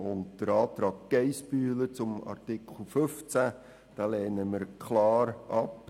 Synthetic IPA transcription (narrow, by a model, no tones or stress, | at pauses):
ʊntd̥əɾɑːt̪ɾɑːɡ̚ɡ̥ɛɪspyːlət͡sʊmɑ̰rtɪkʰl̩føft͡sæ | d̥ɑːlɛːnəmɪɾkʰlɑːɾɑp